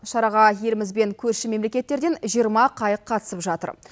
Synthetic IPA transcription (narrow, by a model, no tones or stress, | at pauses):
ʃɑɾɑʁɑje̞lɪmɪzbe̞ŋkʲʰɵɾʃɪme̞mle̞kʲe̞t̪ːe̞ɾd̪e̞nʒijəɾmɑqʰɑjəqʰːɑt̪ə̥səpʒɑt̪ə̰ɾ